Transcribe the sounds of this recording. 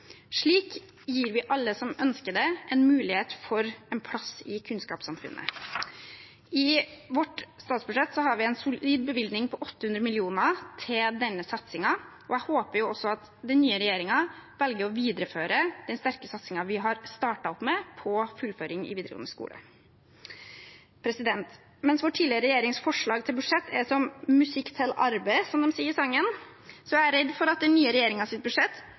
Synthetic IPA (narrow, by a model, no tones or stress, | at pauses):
ʂɭiːk | jiːɾʋɪʔɑlːəsɔmœnskəɖ̪ɛʔɛnmʉːlɪheːt̪fɔɾɛnpʰlɑsɪkʰʉnskɑːpsɑmfʉ̰nːʔə̰ | ɪʋɔʈst̪ɑːt̪sbʉʂɛt̪ːsɔɦɑɾʋɪɛnsʊiːd̪̚bəʋɪld̪nɪŋpʰɔʔɔt̪ːəhʉnd̪ɾəmɪlɪuːnət̪ʰɪld̪ɛnːəsɑt̪sɪŋɑ | ɔæɪhoːpəɾjʊɔsɔɑt̪ | d̪ɛnnyːəɾɛjeːɾɪŋɑʋɛlɡəɾɔʋiːd̪ɾəføːɾəd̪̥ɛnst̪æɾkəsɑt̪sɪŋɑʋɪɦɑɾst̪ɑːʈɑɔpmɛpʰɔfʉlføːɾɪŋɪ̰ʋiːd̪ɾəɡɔ̰nəskṵːlə̰ | pʰɾɛsɪd̪ɛnt̪ | mɛnsʋoːʈʰiːlɪəɾəɾɛjeːɾɪŋsfɔʂɭɑːɡ̚t̪ʰɪlbʉdʂɛt̪ːʰɛsɔmmʉsɪkːt̪ʰɛlɑɾbəɪsɔmd̪ɔmsiːəɾsɑŋːən | sɔææɾɛd̪fɔɾɑt̪̚d̪ɛnyːəɾɛjeːɾɪŋɑsɪt̪̚bʉd̪ʂɛt̪ː